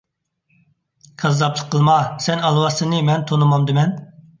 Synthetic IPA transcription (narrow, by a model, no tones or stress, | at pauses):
kʰɑzːɑplˠəqʰːəlˠmɑsɛnɑlˠwɑsɨnɨmɛnt̪ʰonɨmɑmd̪ɪmɛn